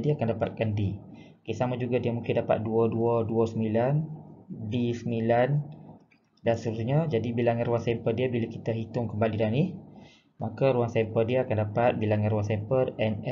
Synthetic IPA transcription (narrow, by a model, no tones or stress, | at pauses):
diakandapa̰t̪̚kandi | kisamad͡ʒuɡadiəmuŋkɪndapa̰t̪̚duəduəduəsəmilanbisəmilan | dansəɾusɲad͡ʒadibilaŋanrɾuwaŋsɛmpərdiəbilakit̪aɦit̪ʊŋkəmbalidanih | makaɾuwaŋsɛmpərdiəakandapat̪̚bilaŋanrɾuwaŋsɛmpərɛnɛ